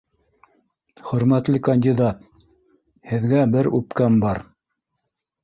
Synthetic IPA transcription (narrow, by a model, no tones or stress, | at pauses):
χɵ̆ɾmæt̪lɘkɐnʲdʲid̪ɑt̪ | hɘ̆ðɡæbɘɾʉpkæmbɑɾ